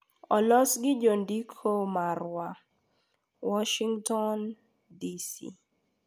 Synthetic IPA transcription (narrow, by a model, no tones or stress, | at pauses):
ɔlɔsɡɪd͡ʒondikʰomarwa | wɔʃiŋtɔn | disḭ